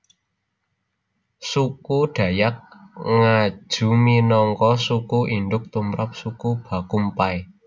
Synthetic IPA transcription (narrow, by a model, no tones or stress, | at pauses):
sukuɖ̥a̤jak̚ŋḁʒ̥ṳminɔŋkɔsukuʔinɖʊk̚t̪umɾap̚sukub̥a̤kumpaj